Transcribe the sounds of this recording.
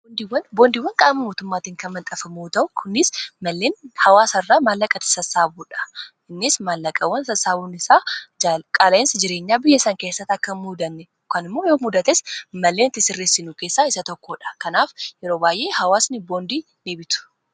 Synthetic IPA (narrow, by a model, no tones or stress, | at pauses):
bond̪iwɐnbo̞ːnd̪iwːɐŋkʼaːmɐmoːt̪ʊmːaːt̪iːŋkɐnmɐnt̪ʼɐfɐmuːt̪ɐʔʊkʰʊnːɪsmɐlːeːnhɐwaːsɐrːaːmaːlːɐkʼɐt̪ɪ̥sɐsːaːbuːᶑɐ̥ | ɪnːɪsmaːlːɐkʼɐwːɐnsɐsaːbuːnɪsaːd͡ʒakʼaːlɐɪnsɪd͡ʒɪɾeːɲːaːbɪjːɐsɐŋke̞ːsːɐt̪ːɐkːɐnmuːd̪ɐnːɛ | kɐnɪmːoːjoːmuːd̪ɐt̪ɛsmɐlːe̞ːnɪt̪ːɪsɪrːeːsːɪnuke̞ːsːaɪsɐt̪ɔkːoːᶑɐ̥kɐnaːfjɛɾo̞ːbaːjʔe̞ːhɐwaːsnɪboːnd̪i | neːbɪt̪ʊ̥